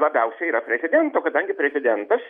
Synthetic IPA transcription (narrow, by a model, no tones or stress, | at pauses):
lˠɐbʲɛʊsʲɛiɾɐpʲɾʲɛzʲɪd̪ʲɛnt̪oːkɐd̪ɐŋʲɡʲɪpʲɾʲɛzʲɪd̪ʲɛnt̪ɐs